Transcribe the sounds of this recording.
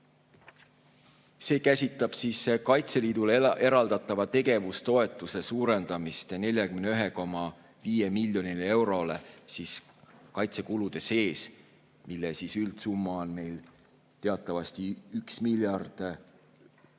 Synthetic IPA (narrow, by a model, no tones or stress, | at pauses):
se̞ːkæsʲit̪ˑːɑb̥siːskɑjt̪se̞liːd̪̥ule̞ɾɑld̪ɑt̪ːˑɑvɑt̪e̞ɡ̥e̞vust̪o̞e̞t̪ːˑuse̞suːɾe̞nd̪̥ɑmist̪ne̞lʲjɑkymneyɦe̞ko̞mɑ | viːjemilʲjo̞nile̞wɾo̞le̞sis | kɑjt̪se̞kulud̪̥e̞se̞ːs | milːesisylt̪sumːɑonme̞jl | t̪e̞ɑt̪ːˑɑvɑst̪iyksmiljɑrd̪̥